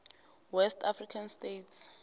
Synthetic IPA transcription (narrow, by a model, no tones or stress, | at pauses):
wɛstʰafrikʰanstetʰs